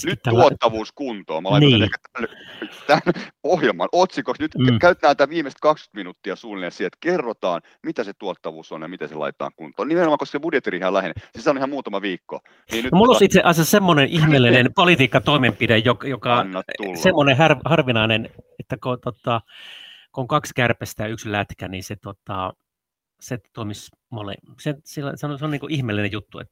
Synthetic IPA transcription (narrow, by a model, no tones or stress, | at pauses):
snyt̪ːæluot̪ːɑʋuːskunt̪o̰ːmɑlɑinieːekæt̪ænt̪ænpohjelmɑ̰not̪sikoksnyt̪ːkæyt̪ːæːnt̪ːæʋiːmest̪kɑksky̥t̪minut̪ːiɑsuːlinesiɛt̪kerːot̪ɑːn | mit̪æset̪uot̪ːɑʋuːsonjɑmit̪esḛlɑ̰it̪ːˑɑ̰ːŋkunt̪ˑoːnimenomɑkosksebudjet̪ːiriːhɑlæhenḛsesɑnoihɑmmuːt̪ɑmɑʋiːkːo̰ | niːnnynomulːosit̪seʔɑsjɑssemːonenʔihmeːlːinenpolit̪iːkːɑt̪oimempidejjokjokɑnːɑt̪t̪ulːsemːonehɑrʋhɑrʋinɑinenet̪ːækot̪ot̪ːˑɑ | kooŋkɑkskærpæst̪æykslæt̪kæniset̪ot̪ɑ | set̪oimis | molḛsensilːæsenseoniːkoʔihmelːinejut̪ːuḛt̪ː